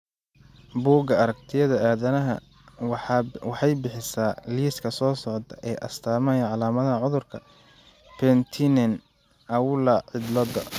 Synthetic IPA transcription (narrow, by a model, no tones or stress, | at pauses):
buːɡɐɐɾɐk̚t̪ʰɪjɐðɐʔaːðɐnɐɦɐ̰ | wɑħɑjbɪħɪsaːliːskʰɐsɔːsɔʕt̪ʰɐʔɛːʔɐst̪ʰaːmɐjɐʕɑlaːmɐðɐɦɐʕʊðʊrkʰɐ | pʰɛnt̪ʰinɛn | ɐwʊlɐʕɪd̪lɔd̪ɐ